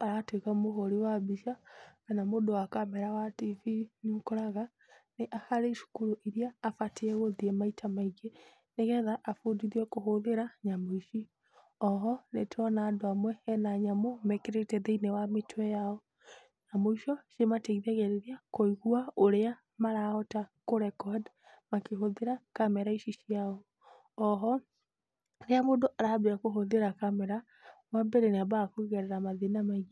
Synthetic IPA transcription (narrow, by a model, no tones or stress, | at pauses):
aɾatwekamoɦoɾiwabiʃakanamodowakamɛɾawativiɲukoɾaɣa | neʔahaɾeiʃu̥kuɾoʔiɾiaːfateɛɣoðiɛmaitʰamaiɡe | neɣɛðaʔafodiðiɛkoɦoðeɾaɲamoiʃi | ɔɦɔnetʰɔnaːdoamwɛɛnaɲamomɛkeɾetɛðeinewametwɛjaɔ | ɲamoiʃɔʃemateiðaɣɛɾeɾiakoiɣuaoɾea | maɾaɔtakoɾɛkɔd | makeɦoðeɾakamɛɾaiʃiʃiaɔ | ɔɦɔ | ɾeamodoʔaɾabeakoɦoðeɾakamɛɾa | wabɛɾenabakuiɣɛɾeɾamaðenamaiɣ